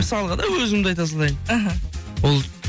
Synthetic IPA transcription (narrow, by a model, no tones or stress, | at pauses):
məsɑlˠəʁɑd̪ɑwɵzɪmd̪eɑjt̪̬ɑs̬lˠɑjd̪aɦawolˠ